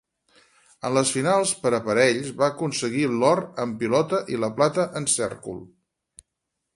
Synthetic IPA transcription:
ə̰nləsfinalˠspəɾəpəɾɛʎzβaəkunsəɣilɔɾəmpilɔt̪əʔiləplat̪əʔənsɛ̰rkṵlˠ

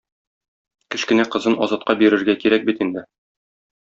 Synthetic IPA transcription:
kɘ̆ɕkɘ̆næqɤ̆zɤnɒzɑt̪̚qɑbiɾɘ̆ɾɡækiɾæk̚bit̪ind̪ɘ

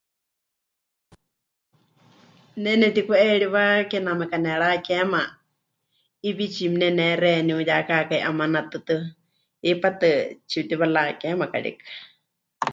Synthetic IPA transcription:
nɛnɛt̪ikuɛɺiβakɛnamɛkanɛɺakɛma | iβit͡ʃimnɛnɛɾɛniujakakaiʔamanat̪ɨt̪ɨ | ipat̪ɨt͡ʃit̪iβalakɛmaka̰ɽḭkḁ

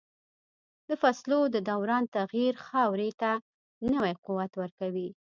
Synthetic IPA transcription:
d̪əfaslod̪əd̪awɾɑnt̪aɣiɾxɑwɾet̪a | nəwajquwat̪wəɾkawi

